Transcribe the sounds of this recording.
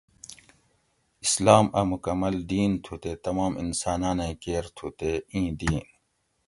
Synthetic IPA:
islaːmɐmukɐmːɐld̪iːnt̪ʰut̪eːt̪ɐmaːmḭnsaːnãːnẽkeːɾt̪ʰut̪eĩːd̪iːn

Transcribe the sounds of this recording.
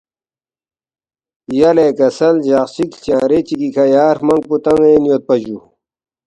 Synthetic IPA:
jaleːkɐsɐld͡ʑasikt͡ɕãːɾet͡ɕikikʰɐjaːɾmɐŋɡ̚put̪ɐŋɡenijot̪̚pɐd͡ʑu

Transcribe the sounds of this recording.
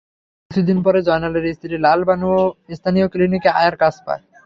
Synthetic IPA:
ot̪ʰid̪inpɔɾed͡ʑɔenaleɾist̪ʰiɾilalbanuoest̪ʰanijoklinikeajaɾkasʰpa̰e

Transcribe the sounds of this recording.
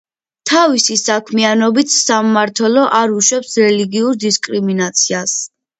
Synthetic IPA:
t̪ʰavisisakʰmianɔbit̪ʰsamːaɾt̪ʰwɛlɔʔaɾuʃwɛpsɾɛliɡiuɾd̪iskʼɾiminat̪sʰias

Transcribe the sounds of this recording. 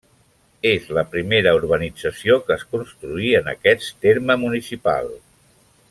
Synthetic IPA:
ezləpɾimeɾəuɾβ̞ənid͡zəsiokəːskunst̪ɾuiənə̰kɛt͡sst̪eɾməmunisipa̰lˠ

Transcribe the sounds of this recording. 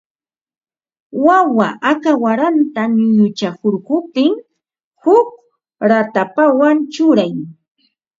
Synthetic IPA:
wawa̰ʔakawaɾant̪aɲʊjʊt͡ʃakoɾkʊp̚t̪ɪŋ | hʊk̚ | ɾat̪apawant͡ʃʊɾaj

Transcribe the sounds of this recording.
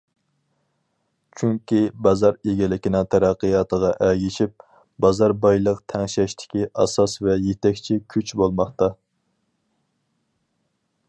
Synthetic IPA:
t͡ʃʰyŋkʲʰibɑzɑɾeɡʲilɪkʲinɨŋt̪ʰɛɾæqːəjɑːt̪ʰəʁɑʔɛɡʲiʃip̚ | bɑzɑɾbɑjlˠəqt̪ʰɛŋʃɛʃt̪ʰɪ̥kʲiʔɑ̰sɑsvɛjet̪ʰɛkʲt͡ʃʰikʲʰyt͡ʃbolˠmɑχt̪ɑ

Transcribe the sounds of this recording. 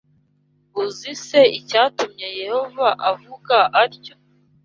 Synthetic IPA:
uzise̞icaːtumɲe̞je̞ho̞vaʔavuɡaʔaɾco̥

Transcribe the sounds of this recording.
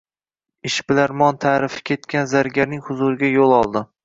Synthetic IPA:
ɪʃbɪlaɾmɒnt̪ʰaːɾɪfɪ̥kʲʰe̞t̪kʲanzaɾɡʲaɾnɪŋhʊzʊɾɪɡʲajolˠɒlˠd̪ɪ

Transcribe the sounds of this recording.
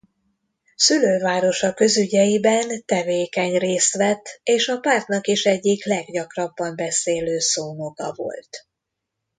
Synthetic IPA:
syløːvaːɾo̞ʃɒkø̞zyɟɛjibɛnt̪ɛveːkɛɲreːst̪ʋɛt̪ːeːʃɒpaːrt̪nɒkiʃɛɟːiklɛɡɟɒkrɒbːɒmbɛseːløːsoːnoɡɒ̰vo̞̰lt̪

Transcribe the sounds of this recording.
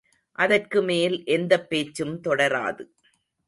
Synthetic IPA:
ʔɐðɐrkɯmeːlʔɛnd̪ɐpːeːt͡ʃːɯmt̪ɔɽɐɾa̰ːðɯ

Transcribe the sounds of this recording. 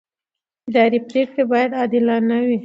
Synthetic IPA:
ɪd̪ɑɾipɾekɽebɑjad̪ɑd̪ɪlɑnawi

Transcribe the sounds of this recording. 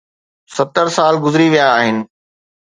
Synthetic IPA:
sɐt̪əɾsaːlɡʊzɪɾiʋijaːɦɪnɪ̆

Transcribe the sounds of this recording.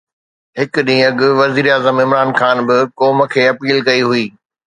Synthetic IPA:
ɦɪkɗĩːɐɠʊʋɐziːɾaːzəmɪ̃mɾaːnxaːnbɪkɔːmə̆kʰeːɐpiːlkɐiɦuiː

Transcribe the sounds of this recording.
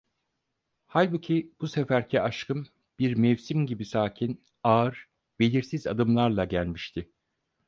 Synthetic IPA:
halʲbucʰibusefæɾcʰɛaʃkʰɯm | b̥iɾmɛvsimɟibisaːcʰin | aɯɾ̥ | be̞lʲiɾsiza̰d̪ɯmlˠaɾlˠaɟælʲmiʃt̪ʰɪ

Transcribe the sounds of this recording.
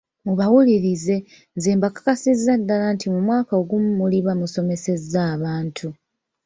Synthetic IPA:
muβawuliɾize̞ | nzeːmbakḁkasizadːalantʰimumwaːkao̞ɡumːuliβamuso̞me̞se̞zaːβaːntʰu

